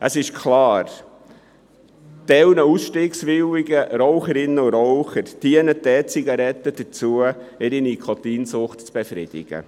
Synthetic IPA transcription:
ʔəsɪʃkʰlɑːɾ | d̥ɛwnəusʃtiːksʋɪwiɡəɾɔʊχəɾɪnːəʊɾɔʊχəɾd̥iənətɛːt͡siɡɑɾɛt̪ːəd̥ət͡suəɪɾinikʰot̪iːnsʊχtt͡sb̥efɾɪd̥̪ɪ̰ɡ̥ə̰

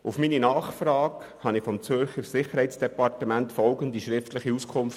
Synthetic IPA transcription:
ufmininɑːχfɾɑːk | hɑnɪfɔmt͡sʏɾχəɾsɪχəɾhɛɪtt͡sd̥ɛpɑrtəmæntfɔlɡənd̪iʃɾɪftləχiuskʰʊmf

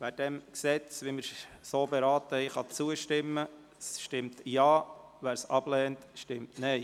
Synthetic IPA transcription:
ʋæːɾd̥ɛmksɛt͡sʋimɪɾsoːbɛɾɑːt̪əɛɪχɑt͡suəʃtɪmːə | sʃtɪmtjɑːʋæːɾsɑb̥lɛːntʃtɪmtnɛɪ

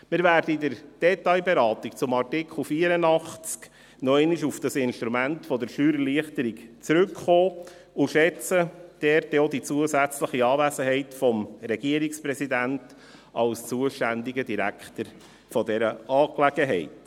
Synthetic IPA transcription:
mɪɾvæːɾdəidəɾd̥ɛt̪ɑɪbɛɾɑːt̪ik̚t͡sʊmɑrtɪkʰl̩ˠfiːəɾənɑχt͡sk | nɔɪnɪʃufd̥ɑsɪnʃt̪ɾumæntfɔd̪əɾʃyːɾəɾliəχtəɾikt͡sɾʉkχoː | ʊʃɛt͡səd̥ɛɾtod̪it͡suəzæt͡sləχiɑːvæsəɦɛɪtfɔmɾɛɡ̥iəɾikspɾɛsidænt | ʔɑlst͡suəʃtændiɡədiɾækχtəɾ | fɔdɛɾəɑːklæɡ̥əɦɛ̰ɪt

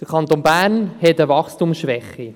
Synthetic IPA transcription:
d̥əɾkʰɑnt̪oːnbæːɾnhɛtəvɑχstumsʃʋɛχːi

